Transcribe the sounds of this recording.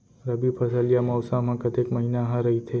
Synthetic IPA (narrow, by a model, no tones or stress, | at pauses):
ɾəbipʰəsəljamɔʋsamãkət̪ekməɦinaɦãɾəɦit̪ʰe